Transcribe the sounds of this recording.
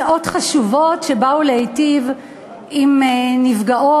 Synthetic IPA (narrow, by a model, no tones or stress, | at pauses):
aʔo̞tχaʃuvo̞tʃebauleejtiv | imenivɡaʔo